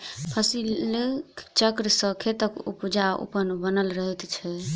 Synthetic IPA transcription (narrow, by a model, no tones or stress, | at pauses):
pʰəsilkʰt͡ʃəkɾəsəkʰet̪əkṵpud͡ʒaṵpənbənəlɾəɦɛt̪t͡ʃʰɛ